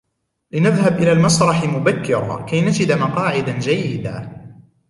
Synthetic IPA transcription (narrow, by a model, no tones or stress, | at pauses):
lɪnaðhabʔɪlaːlmɑsɾˤɑħmʊbakːɪɾɑ̰ːkajnad͡ʒɪd̪mɑqɑːʕɪd̪ad͡ʒajːɪd̪a̰ː